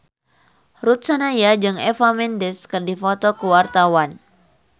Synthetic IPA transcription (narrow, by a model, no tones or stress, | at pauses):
rut̪̚sanajad͡ʒɨŋɛfamɛndɛskɨrdifɔt̪ɔkuwart̪awan